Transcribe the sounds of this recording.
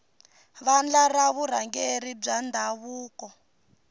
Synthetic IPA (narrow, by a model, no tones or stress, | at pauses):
βand͡ɮaraβuɾ̤aŋɡeɾib͡ʐandʱaβuːkɔ